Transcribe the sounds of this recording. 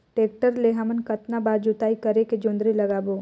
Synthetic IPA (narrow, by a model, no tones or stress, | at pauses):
ʈeːk̚ʈəɾleɦɐmənkɐt̪nabaːɾd͡ʒʊt̪aːikɐɾeked͡ʒʊ̃nd̪ɾilɐɡaːboː